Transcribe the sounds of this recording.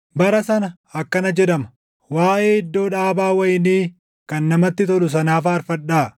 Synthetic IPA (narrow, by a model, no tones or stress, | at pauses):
bɐɾɐsɐnɐ | ɐkːɐnɐd͡ʒɛᶑ̪ɐmɐ̥ | waːʔe̞ːɪd̪ːo̞ːᶑaːbaːwɐjɪniː | kɐnːɐmɐt̪ːɪt̪ɔlʊs̬ɐnaːfaːɾfɐᶑaː